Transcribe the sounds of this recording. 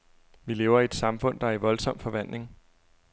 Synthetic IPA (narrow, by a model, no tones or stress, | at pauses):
ʋile̝ːʊɐied̥sɑ̈mfɔ̽n̰d̥ɑ̈æɐiʋɒ̽lsɒ̽m̰fɒ̽ʋæn̰d̥ne̝ŋ